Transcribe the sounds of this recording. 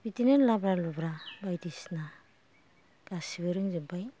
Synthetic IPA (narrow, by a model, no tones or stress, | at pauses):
pitinenlabɾalubɾabajdisna | ɡ̥asibeɾɯŋzibaj